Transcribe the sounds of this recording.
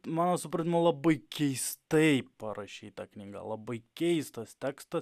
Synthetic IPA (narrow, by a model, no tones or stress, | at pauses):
mɑːnoːsʊpɾɐnʲɪmolˠɐbɐɪkʲɛɪst̪ɐɪpɐɾɐʃʲiːt̪ɐknʲiːɡɑ̰lˠɐbɐɪkʲɛɪst̪ɐst̪ʲæːkst̪ɐs